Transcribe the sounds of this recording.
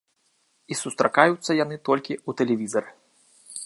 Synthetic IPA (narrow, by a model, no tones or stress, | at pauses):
isust̪ɾakajut̪sːɐjanɨt̪ɔlʲkʲiut̪ɛlʲɛvʲizɐr